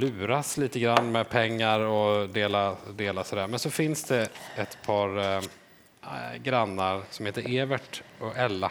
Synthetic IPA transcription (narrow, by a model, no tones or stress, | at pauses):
lʉ̟ːɾasliːt̪əɡɾanːmɛpʰɛŋːaɾɔd̪eːlad̪eːlasɔd̪æːɾmɛnsɔfɪnsd̪ɛɛt̪pʰɑːɾ | ɡɾanːaɾsɔmheːt̪əɾʔeːvəʈɔɛlːa